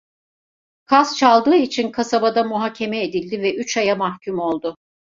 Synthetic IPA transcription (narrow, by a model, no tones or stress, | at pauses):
kʰazt͡ʃʰalˠd̪ɯːit͡ʃʰinkʰasabad̪amuɦaːcʰe̞mɛed̪ilʲd̪ivɛʔyt͡ʃajamahcʰymo̞lˠd̪ʊ